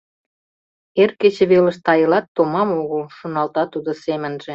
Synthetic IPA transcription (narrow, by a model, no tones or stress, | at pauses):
erket͡ɕĕβelə̆ʃt̪ɑjəlɑt̪ːomɑmoɣəlʃonɑlt̪ɑt̪ud̪ŏsemə̆nʒĕ